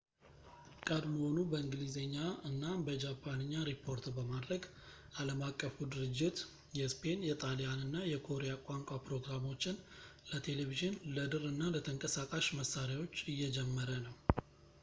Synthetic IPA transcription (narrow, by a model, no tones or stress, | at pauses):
kʼəd̪məho̞nubəɨŋɡɨlizeɲːaɨnːabəd͡ʒapʰːanɨɲːaɾipʰːo̞ɾt̪bəmad̪ɾəɡ | aləmakʼːəfud̪ɨɾɨd͡ʒːɪt̪ | jɛspʰe̞njɛt̪ʼalijanɨnːajɛkʰo̞ɾejakʷʼaŋkʷʼapɾo̞ɡɾamo̞t͡ʃːɪnlət̪ʰe̞le̞viʒɨnləd̪ɨɾɨnːalət̪ʰəŋkʼəsakʼaʃməsːaɾjawo̞t͡ʃːɨjːɛd͡ʒɛmːəɾənəw